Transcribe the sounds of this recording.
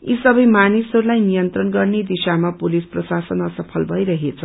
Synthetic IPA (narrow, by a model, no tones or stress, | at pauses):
isʌbʌjmanisɦʌɾulajnijʌnt̪rʌnɡʌrned̪isamapolisprʌsasʌnʌsʌpʰʌlbʱʌjɾʌɦet͡sʰʌ